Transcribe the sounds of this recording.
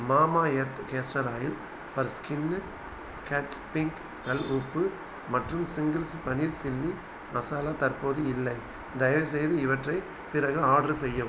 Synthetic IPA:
maːmaːeːɾt̪ɯkeːsʈɐɾaːjɪl | pɐɾskɪnː | kɛʈt͡ʃpɪŋk | kɐluːpːɯ | mɐʈrɯmsɪŋɡɪlspɐniɾsɪlːi | mɐsaːlat̪ɐrpoːðɯɪlːɐɪ | d̪ɐjɐʋɯs̬ɛjðɯɪʋɐʈrɐɪ | pɪɾɐɣɯaːɽɾɯsɛjːɐ

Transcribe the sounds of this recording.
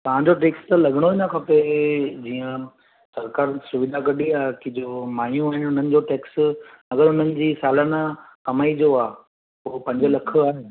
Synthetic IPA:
t̪ɐɦãɲd͡ʑoʈ̬eːkst̪ɐlɐɠəɽ̃oʋɪɲãkʰãped͡ʑiːə̃ | sɐɾkaːɾsʊʋɪd̪ʱakɐɗiaːɦekɪd͡ʑomaːjũaːɦɪnʊn̤ənɪ̆d͡ʑoʈeːksɐɡəɾʊn̤ənɪ̆d͡ʑiːsaːlanakɐmaːid͡ʑoaː | poːpɐ̃ɲd͡ʑəlɐkʰə̆aːɦe

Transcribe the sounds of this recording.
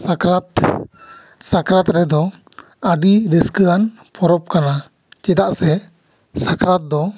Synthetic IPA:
sakɾat̪ | sakɾat̪ɾɛd̪ɔ | əɖiɾiskəan | pʰɔɾɔp̚kana | t͡ʃɛd̪aʔsɛ | sakɾat̪̚d̪ɔ

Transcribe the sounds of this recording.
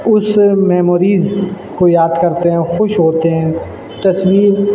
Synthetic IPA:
ʊsmɛːmoːɾiːz | kojaːd̪kɐɾt̪eɦɛ̃xʊʃɦoːt̪eɦɛ̃ː | t̪ɐswiːɾ

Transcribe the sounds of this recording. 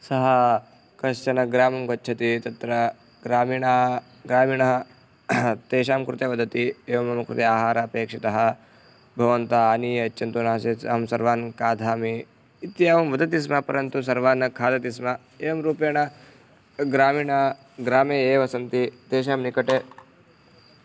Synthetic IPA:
sɐɦɐ | kɐʃt͡ʃɐnɐɡɾaːmɐmɡɐtːt͡ʃʰɐt̪it̪ɐt̪ɾɐ | ɡɾaːmiːɳa | ɡɾaːmiːɳɐɦɐ | t̪eːʃaːmkɾut̪eʋɐd̪ʱɐt̪ieːʋɐmɐmɐkɾut̪eaːɦaːɾaɐpeːkʂit̪ɐɦɐ̆ | bʱɐʋɐnt̪ɐaːniːɐt͡ʃːt͡ʃʰːɐnt̪unaɦɐseːt͡sɐɦɐmsɐɾʋaːnkaːd̪ʱaːmiː | t̪jaʋɐmʋɐd̪ɐt̪is̬mapɐɾɐnt̪us̬ɐɾʋaːnɐkʰaːd̪ɐt̪isma | eːʋɐmɾuːpjeːɳɐ | ɡɾaːmiːɳa | ɡɾaːmeːeːʋɐsɐnt̪it̪eːʃaːmnikɐʈeː

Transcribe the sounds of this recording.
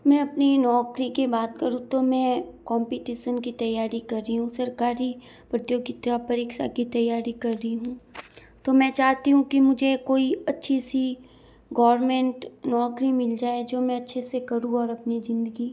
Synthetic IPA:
mɛ̃ːɐpninɔːkɾikibaːt̪kɐɾũt̪omɛ̃ːkɔːmpiʈiːʃənkit̪ɐjːaːɾikɐɾːiɦũsɐɾkaːɾi | pɾət̪joːɡɪt̪ːapɐɾeːkʃa̰kit̪ɐjːaːɾikɐɾːəiɦũ | t̪omɛ̃t͡ʃaːɦt̪iɦũkimʊd͡ʒʱekoːiɐtːʃʰisi | ɡɔːʋɾmẽːɳʈnɔːkɾimɪld͡ʒaːed͡ʒoːmɛ̃ɐtːʃʰesekɐɾũɔːɾɐpnizɪ̃nd̪əɡi

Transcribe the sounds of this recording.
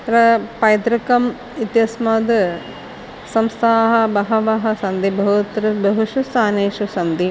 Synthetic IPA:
ɾɐpɐjd̪ɾɐkɐm | it̪jɐsmɐd̪ | sɐmst̪ʰaːɦɐbɐɦɐʋɐɦɐsɐnd̪ibɐɦut̪ɾɐbɐɦuʃust̪aːneːʃusɐnd̪i

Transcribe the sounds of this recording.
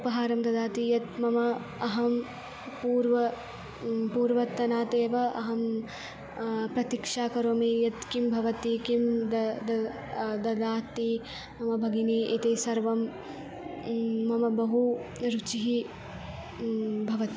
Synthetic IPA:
upɐɦaːɾɐmd̪ɐd̪aːt̪ijɐt̪mɐmɐ | ɐɦɐm | puːɾʋɐ | puːɾʋɐt̪ːɐnaːt̪eːʋɐʔɐɦɐm | pɾɐt̪ikʂaːkɐɾoːmiːjɐt̪kimbʱɐʋɐt̪ikimd̪ɐd̪ɐ | d̪ɐd̪aːt̪i | mɐmɐbʱɐɡiniːʔit̪esɐɾʋɐm | ɐmɐbɐɦuɾut͡ʃiɦi | bʱɐʋɐt̪i

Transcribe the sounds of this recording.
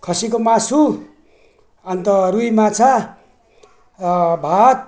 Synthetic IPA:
kʰʌsikomasu | ʌnt̪ʌɾujmat͡sʰa | bʱat̪̚

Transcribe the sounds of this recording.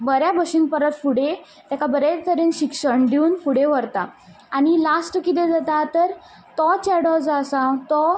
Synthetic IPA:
bəɾjabəɕiŋpəɾət̪puɽ̤e | t̪jakabəɾet̪əɾenɕikɕəɳɖiuːnpuɽ̤eʋəɾt̪a | anilasʈkit̪ẽd͡zat̪at̪əɾ | t̪ɔt͡ɕɛɽɔd͡zasãwt̪ɔ

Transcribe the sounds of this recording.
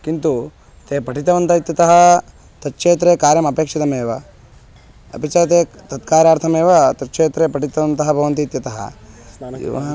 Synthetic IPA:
kint̪u | t̪eːpɐʈʰit̪ɐʋɐnt̪ɐit̪jɐt̪ɐɦɐ | t̪ɐt̪ːʂeːt̪ɾeːkaːɾjɐmɐpeːkʂit̪ɐmeːʋɐ | ɐ̰bit͡ʃaːɐt̪̬eːt̪ɐt̪kaːɾaːɾt̪ʰɐmeːʋɐt̪ɐtːʂeːt̪ɾeːpɐʈit̪ɐʋɐnt̪ɐɦɐbʱɐʋɐnt̪iːt̪jɐt̪ɐɦɐ̰ | ḭʋɐ̰ɦ

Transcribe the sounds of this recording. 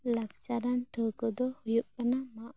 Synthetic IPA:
lakt͡ʃaɾanʈʰəkəd̪ɔhujuʔ̚kanamaʔ

